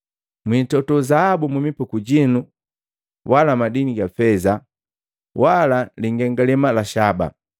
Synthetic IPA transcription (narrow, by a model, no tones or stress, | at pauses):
mwintɔtɔzahabumumipukuɟinu | walamadiniɡafɛza | walaliŋɡɛŋɡalɛmalaʃaba̰